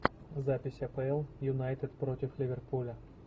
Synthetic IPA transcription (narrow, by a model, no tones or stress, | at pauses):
zapʲɪsʲɐpɛɛlˠjʊnajt̪ɛt̪pɾotʲɪflʲiʋʲerpulʲɐ